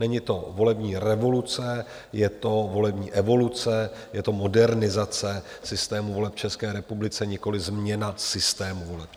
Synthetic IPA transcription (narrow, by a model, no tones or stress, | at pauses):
nɛɲɪt̪o̞vo̞lɛbɲiːɾɛvo̞lut͡sɛ | jɛt̪o̞vo̞lɛbɲiːʔɛvo̞lut͡sɛjɛt̪o̞mo̞dɛɾnɪzat͡sɛ | sɪst̪ɛːmuvo̞lɛp̚t͡ʃɛskɛːɾɛpublɪt͡sɛɲɪko̞lɪzmɲɛnasɪst̪ɛːmuvo̞lɛp